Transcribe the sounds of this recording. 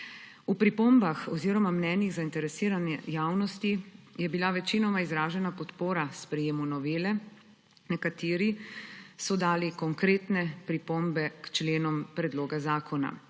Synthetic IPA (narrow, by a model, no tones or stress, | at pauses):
upɾipombaxɔziːɾɔmamnɛːniɣzaint̪ɛɾɛsiːɾanɛjaːwnɔst̪ijɛbilaʋɛt͡ʃinɔmaizɾaːʒɛnapɔt̪poːɾaspɾɛjeːmunɔʋeːlɛ | nɛkat̪iːɾisɔd̪aːlikɔŋkɾeːt̪nɛpɾipombɛkt͡ʃleːnɔmpɾɛd̪loːɡazaːkɔna̰